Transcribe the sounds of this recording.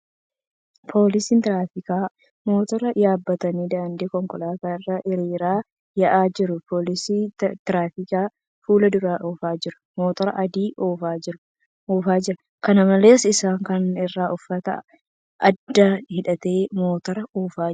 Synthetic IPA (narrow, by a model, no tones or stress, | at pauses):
pʰo̞ːlɪsiːnt̪ɪɾaːfɪkaː | mo̞ːt̪ɔɾɐjaːbːɐt̪ɐniːd̪aːnd̪eːkɔŋkʼɔlaːt̪aːɪrːaʔɪɾiːɾaː | jɐʔaːd͡ʒɪɾʊpo̞ːlɪsiːt̪ɪɾaːfɪkaː | fuːlɐd̪ʊɾaːʔoːfaːd͡ʒɪɾʊ̥moːt̪ɐɾɐʔɐd̪iːʔoːfaːd͡ʒɪɾʊ | oːfaːd͡ʒɪɾɐ | kɐnɐmɐle̞ːsɪsaːŋkɐnɪrːaːʊfːɐt̪ɐ̰ | ʔɐd̪ːɐhɪᶑɐt̪e̞ːmoːt̪ɐɾɐoːfaː